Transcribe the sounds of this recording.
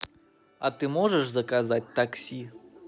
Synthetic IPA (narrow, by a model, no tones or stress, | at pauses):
ɐt̪ɨmɔʐəʐzɐkazatʲt̪aksʲi